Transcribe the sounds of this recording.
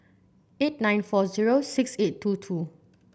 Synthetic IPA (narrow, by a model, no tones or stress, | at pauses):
et̚nãj̃nfɔziɹosiksetʰːutʰu